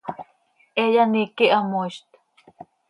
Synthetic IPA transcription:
ʔejanikiʔamoʃt̪

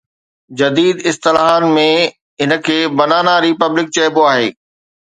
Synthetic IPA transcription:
d͡ʑɐd̪iːd̪ɪst̪ɪlaːɦaːnmẽ | ɦɪnə̆kʰeːbɐnaːnaɾipəblɪk̚t͡ɕɐːɪboaːɦḛː

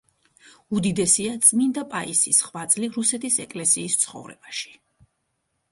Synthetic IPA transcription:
ud̪id̪ɛsiat̪sʼmind̪apʼaʔḭsisχwat̪sʼliɾusɛt̪ʰisɛkʼlɛsiːst̪sʰχɔ̰vɾɛ̰b̥aʃi̥

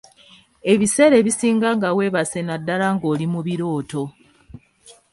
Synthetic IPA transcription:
e̞βise̞ːɾe̞βisiːŋɡaŋɡawe̞ːβase̞nadːalaŋɡo̞ːlimuβiɾo̞ːto̞

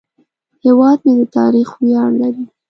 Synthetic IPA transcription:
hewɑd̪̚med̪ət̪ɑ̰ɾixwjɑnlaɾi

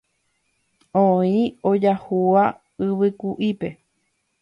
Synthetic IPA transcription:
õĩod͡ʒahua | ɨʋɨkuʔipe̞

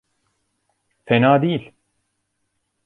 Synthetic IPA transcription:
fenaːd̪ijilʲ

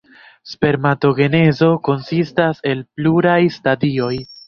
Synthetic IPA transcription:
spe̞ɾmato̞ɡe̞ne̞zo̞ko̞nsistase̞lpluɾajstadio̞j

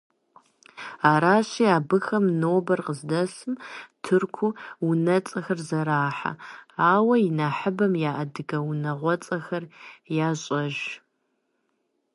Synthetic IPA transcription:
aːɾaːɕiːaːbɨxɐmnoːbɐrqəzdɐsɨmtʰɨrkʷʰuunɐt͡sʼɐxɐrzɐɾaːħa̰aːwɐjɪnaːħɨbɐmjaːʔɐdɨɡɐwunɐʁʷɔt͡sʼɐxɐrjaːɕʼɐʒ

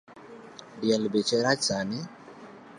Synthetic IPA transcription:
dialibɛt͡ʃɛɾat͡ʃanɛ

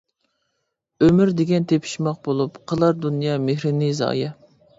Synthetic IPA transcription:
ømɪɾd̪eɡʲɛnt̪ʰepʰi̥ʃmɑq̚bolˠupqʰəlˠɑɾd̪unjɑmehɾɪnizɑ̰ːjɑ

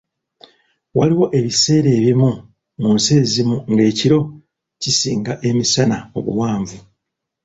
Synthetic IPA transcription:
waliwo̞ʔe̞βise̞ːɾe̞ːβimu | munseːzimuŋɡe̞ːciɾo̞ | cisiːŋɡaʔe̞misanao̞̰βṵwaːɱvu

